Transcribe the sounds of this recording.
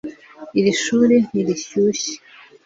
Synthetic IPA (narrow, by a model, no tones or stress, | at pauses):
iɾiʃuːɾe̞n̥iɾiɕuːɕi̥